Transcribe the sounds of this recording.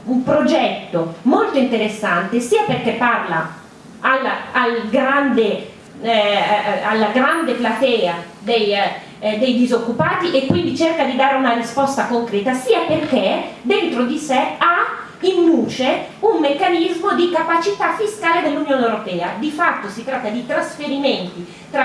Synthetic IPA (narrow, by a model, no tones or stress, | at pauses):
umpɾod͡ʒɛt̪ːomolt̪oint̪eɾesːant̪esiːaperkepːarla̰ | alalɡɾand̪e | alːaɡɾand̪eplat̪ɛːa | d̪ej | d̪ejd̪izokːupaːt̪iʔekːwind̪it͡ʃɛrkad̪id̪aːɾeunarispɔst̪akoŋkɾɛːt̪asiːaperked̪ent̪ɾod̪isɛa | ind̪uːt͡ʃeumːekːanizmod̪ikapat͡ʃit̪afːiskaːled̪elːunjoːnewɾopɛːad̪ifat̪ːosit̪ɾat̪ːad̪it̪ɾasfeɾimɛnt̪i | t̪ɾa